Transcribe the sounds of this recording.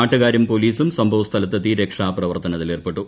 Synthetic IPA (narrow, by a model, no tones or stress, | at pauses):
aːʈːuɣaːɾɐmpo̞liːsumsɐmbʱɐʋɐst̪ʰɐlɐt̪ːɐt̪iɾekʂaːprɐʋɐrt̪ɐnɐt̪ːileːrpeʈːu